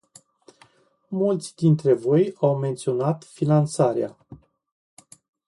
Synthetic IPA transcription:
mult̪sʲd̪int̪ɾe̞vo̞jawme̞nt̪sio̞nat̪finant̪saɾea̰

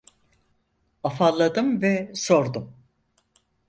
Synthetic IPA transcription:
afalˠːad̪ɯmvɛso̞ɾd̪um

